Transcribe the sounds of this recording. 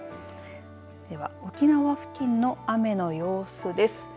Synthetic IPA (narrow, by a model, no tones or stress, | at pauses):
d̪̥e̞βa̰o̞kʲinaβaɸɯ̟̥kʲĩnːo̞ame̞no̞jo̞ːsɨd̪e̞sɨ̥